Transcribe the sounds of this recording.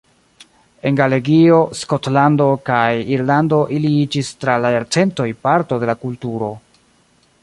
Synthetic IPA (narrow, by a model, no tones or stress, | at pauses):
e̞nɡale̞ɡio̞sko̞tlando̞kajiɾlando̞ʔiliid͡ʒistɾalaeɾt͡se̞nto̞jpaɾto̞de̞lakultuɾo̞